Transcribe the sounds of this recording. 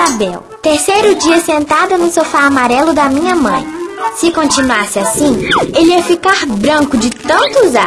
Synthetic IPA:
abɛw | t̪eɾsejɾʊd͡ʒiɐsẽnt̪ad̪ɐnʊsofaːmaɾɛlʊd̪ɐmĩɲɐmɐ̰̃j̃sɪkõnt͡ʃinuasɪasĩelɪɛfikaɾbɾɐ̃kʊd͡ʒɪt̪ɐ̃nt̪ʊza

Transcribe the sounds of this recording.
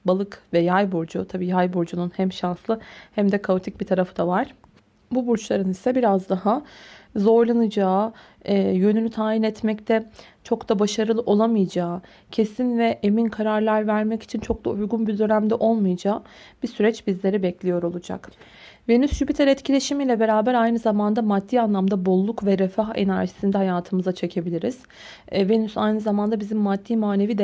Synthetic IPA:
balˠɯkvɛjajbuɾd͡ʒut̪ʰabiːjajbuɾd͡ʒununhæmʃanslˠɯhæmd̪ɛkʰaut̪ʰic̚bit̪ʰaɾafɯd̪avaɾ̥ | bubuɾt͡ʃlˠaɾɯnisɛbiɾazd̪aɦazo̞ɾlˠanɯd͡ʒaː | jø̞nynyt̪ʰaːjinɛt̪mɛct̪ʰɛt͡ʃʰo̞kd̪abaʃaɾɯlˠɯʔo̞lˠamɯjad͡ʒaː | cʰe̞sinvɛʔeminkʰaɾaɾlʲˠæɾvæɾmɛci̥t͡ʃʰint͡ʃʰo̞k̚d̪ˠaujɡunbid̪ø̞næmd̪ɛʔo̞lˠmujad͡ʒaː | b̥isyɾɛt͡ʃbizlʲe̞ɾibɛclʲijo̞ɾo̞lˠud͡ʒa̰k | ve̞nysʒybit̪ʰɛɾɛt̪cʰilʲe̞ʃimilʲɛbe̞ɾaːbæɾajnɯzamand̪amad̪ːiːanlˠamd̪abo̞lˠːukvɛɾɛfaɦe̞̰næɾʒisind̪ɛhajaːt̪ʰɯmɯzat͡ʃʰe̞cʰe̞bilʲiɾiz̥ | ve̞nysajnɯzamand̪abizimːad̪ːiːmaːne̞viːd̪

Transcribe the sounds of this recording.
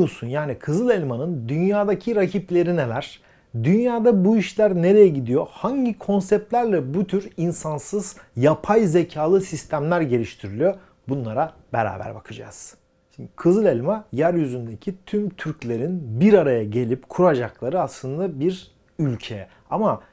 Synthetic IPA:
usunjaːnikʰɯzɯlˠelʲmanɯnd̪ynjaːd̪acʰiɾacʰiplʲe̞ɾinelæɾ̥ | d̪ynjaːd̪abuiʃlʲæɾne̞ɾe̞jɛɟid̪ijo̞haɲɟikʰo̞nsɛp̚t̪lʲæɾlʲɛbut̪ʰyɾinsansɯz̥japʰajze̞cʰaːlˠɯsist̪ʰæmlʲæɾɟe̞lʲiʃt̪ʰiɾilʲyjo | bunlˠaɾa | beɾa̰ːbæ̰ɾbakʰɯd͡ʒa̰z̥ | kʰɯzɯlˠɛlʲmajæɾjyzynd̪e̞cʰit̪ʰymt̪ʰyɾclʲe̞ɾinbiɾaɾajaɟe̞lʲipkʰuɾad͡ʒaklˠaɾɯaslˠɯnd̪abiɾ | ylʲcʰeɛ | ama

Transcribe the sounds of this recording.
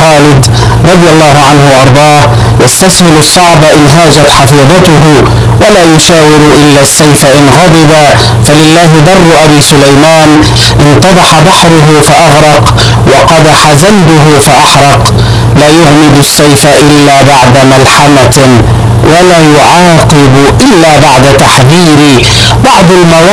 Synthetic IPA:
xaːlɪd̪ | ɾˤɑd̪ˤjalˤːɑːhʊʕanhʊwaʔɑɾˤd̪ˤɑːh | jast̪ashɪlʊsˤːɑʕbaʔɪnɦaːd͡ʒat̪ħɑfiːðˤɑt̪ʊɦʊ | walaːjʊʃaːwɪɾʊʔɪlːasːajfaʔɪnɣɑd̪ˤɨba | falɪlːaːɦɪd̪ˤɑrˤːʊʔabiːsʊlajmaːn | ʔɪnt̪ɑd̪ˤɑħabɑħɾʊɦʊfaʔɑɣɾˤɑq | wɑqɑd̪aħazalbʊɦʊfaʔɑħɾˤɑq | laːjahmɪd̪asːajfaʔɪlːaːbaʕd̪amalħama | walaːjʊʕɑːqɨb | ʔɪlːaːbaʕd̪at̪aħðiːɾɪ | bɑʕd̪ˤalmaw

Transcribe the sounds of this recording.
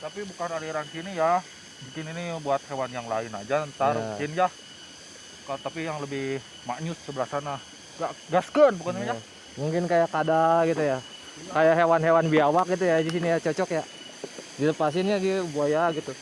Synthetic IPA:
t̪apibukanaliɾansinija | muŋkɪninibuat̪̚hewanjaŋla̰ɪna̰d͡ʒant̪arukɪnd͡ʒa | kat̪apijaŋləbɪh | maɲʊt̪səbəlahsana | ɡaɡaskənbukaniad͡ʒa | muŋkɪnkajakadaɡit̪uja | kajaʔɦewanɦewanbiawak̚ɡit̪̬ujadis̬inijat͡ʃɔt͡ʃɔkja | diləpas̬ɪnjaɡibuajaɡit̪u

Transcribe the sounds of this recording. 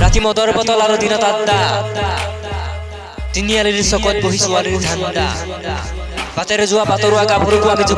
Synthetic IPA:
ɾat̪imɔd̪ɔɾbɔt̪ɔlaɾɔd̪inɔt̪ad̪a | t̪inijaliɾisɔkɔt̪̚boɦisuwaɾiɾd̪ʱand̪a̰ | bat̪aɾed͡ʒuwabat̪ɔɾuaɡabʱɔɾukuamid͡ʒu

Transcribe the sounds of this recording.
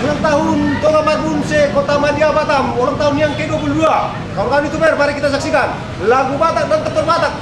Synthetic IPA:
naŋt̪aɦunt̪ɔlamaunsɛkot̪amadiabat̪amɔɾaŋt̪aɦunjaŋkɛduap̬uludua | kalokaniit̪ubaarpaɾɛkit̪asak̚sikan | laɡubat̪ak̚dant̪əpərbat̪ak̚

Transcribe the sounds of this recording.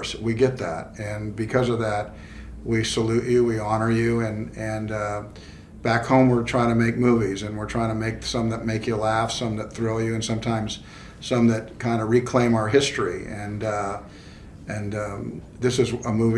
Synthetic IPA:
swiɡɛt̪̚ðæ̰t̚ɨ̃nbɨkʰʌzʌvðæt̚ | wisəlʉt͡ʃɨwiɑnə˞jʉɨ̃nɨ̃n | b̥ækhõʊ̃mwɪɹtʰɹ̥aɪɪ̃ŋtʰɨmeɪk̚muvizɨ̃nwəɹtʰɹ̥aɪɪ̃ŋtʰɨmeɪk̚sʌ̃mðət̚meɪkjɨlæfsʌ̃mðɨt̪̚θɹɪlˠjɨɨ̃nsʌ̃mtʰãɪ̃mz̥ | sʌ̃mðɨt̚kʰãɪ̃ndəɹikʰl̥ẽɪ̃maʊə˞ɦɪstɹ̥iɨ̃n | ɨ̃n | ðɪsɨzəmuv

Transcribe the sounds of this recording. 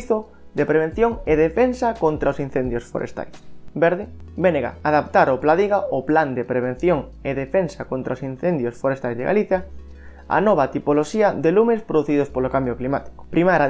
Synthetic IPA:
θo | d̪epɾeβẽn̟θjoŋeðefensɐkont̪ɾaosin̟θend̪josfo̰ɾḛst̪a̰jsbeɾðɪbeneɣa̰aðapt̪aɾoplaðiɣaʊpland̪epɾeβ̞ẽn̟θjoŋ | eðefensakont̪ɾaosin̟θend̪josfoɾest̪ajzðḛɣa̰liθja | a̰nɔβat̪ipoloʃiɐðelumespɾoðuθiðʊspolokambjoklimat̪i̥kʊ̥pɾimaɾa

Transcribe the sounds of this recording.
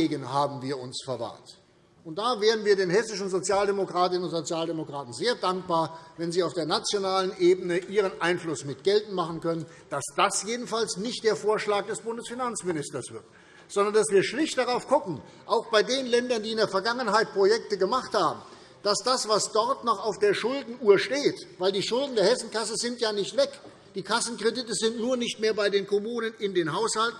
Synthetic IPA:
eːɡənhaːbm̩viːɐʊnsfɛɐva̰ːt | ʔʊnt̚d̥aːveːʁənviːɐdeːnhɛsɪʃn̩zot͡sjaːldemokʁ̥aːtɪnənʊntz̥ot͡sjaːldemokʁ̥aːtn̩zeːɐdaŋk̚b̥aːɐvɛnziːaʊfd̥eːɐnat͡sjonaːlənʔeːbənəʔiːʁ̞ənʔaɪnflʊsmɪtɡ̥ɛltn̩maχn̩kœnən | d̥asd̥asjeːdn̩falsnɪçt̚d̥eːɐfoːɐʃlaːk̚d̥ɛsb̥ʊndəsfinant͡smɪnɪstɐsv̥ɪɐt | z̥ɔndɐndasv̥iːɐʃlɪçt̚d̥aʁaʊfɡ̥ʊkŋ̩ | ʔaʊxb̥aɪdeːnlɛndɐndiːɪndeːɐfɛɐɡaŋənɦaɪt̚pʁ̥ojɛk̚təɡəmaχthaːbm̩ | d̥asd̥asv̥asd̥ɔʁtnɔχaʊfd̥eːɐʃʊldn̩uːɐʃteːtv̥aɪldiːʃʊldn̩deːɐhɛsn̩kasəzɪntjaːnɪçtv̥ɛk | d̥iːkʰasn̩kʁ̥edɪtəzɪntnuːɐnɪçtmeːɐbaɪdeːnkʰɔmuːnənɪndeːnɦaʊshaltn̩

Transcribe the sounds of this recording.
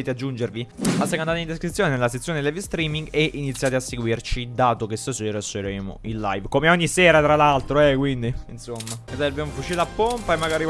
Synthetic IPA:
eːt̪ead͡ʒːund͡ʒerviasːekand̪at̪eind̪eskɾit̪sːjoːnenelaset̪sjoːnelɛvst̪ɾiːmiŋɡeʔinit̪sːjaːt̪easːeɡwirt͡ʃid̪aːt̪okest̪oseɾaseɾeːmo̰ilːa̰jvkomeɔɲːiseːɾat̪ɾalalt̪ɾoɛkwind̪iinsomːaesaɾbjamofut͡ʃiːɾlapːompaemːaɡaːɾi

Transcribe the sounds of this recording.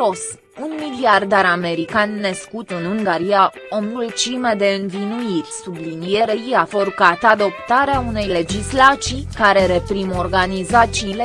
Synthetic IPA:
os | unmiliard̪aɾame̞ɾikanːəskut̪ɨnuŋɡaɾija | o̞miult͡ʃiməd̪e̞ɨnvinuirʲsublinijeɾəɾijafoɾkat̪ad̪o̞pt̪aɾeaune̞jle̞d͡ʒislat̪sijkaɾe̞ɾe̞pɾimo̞rɡanizat̪siːle

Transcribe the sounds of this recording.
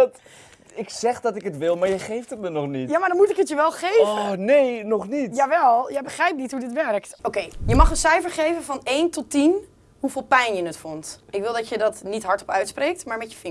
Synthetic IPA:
t | ɪksɛχdɑtɪkɦətʋɪlˠmaːɹjəχejftətmənɔχnitjaːmaɹdɔnmutɪkətjəʋɛlˠχejvənejnɔχnitjaʋɛlˠjabəχrɛjp̚nitɦudɪtʋɛɹk̚tokejjəmɑχənsɛjfəɹχejvənfɑnejntɔtin | ɦuvɪːlˠpɛjnjənətfɔntɪkʋɪlˠdɑtjədɑtnitɦɑɹtɔpœɥtsprejk̚tmaːɹmɛtjəfɪŋ

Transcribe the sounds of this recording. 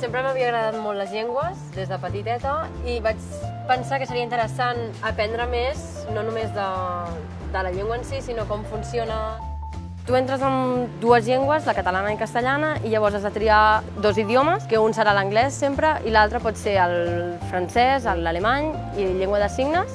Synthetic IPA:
sempɾəməβiəɣɾəðat̪molləzʎeŋɡwəzd̪ezðəpət̪it̪ɛt̪əiβat͡ʃ | pənsakəsəɾiəint̪əɾəsanəpɛnd̪ɾəmez | nonumezðə | d̪ələʎeŋɡwənsisinokɔmfunsionə | t̪uent̪ɾəzəmd̪uəzʎeŋɡwəzləkət̪əlanəikəst̪əʎanəʔiʎəβɔɾzazðət̪ɾia | d̪oziðjoməskəunsəɾaləŋɡlɛsːempɾəʔilalˠt̪ɾəpɔt̪seɾəlˠfɾansɛzələlemaɲ | iʎeŋɡwəðəsiɡnəs

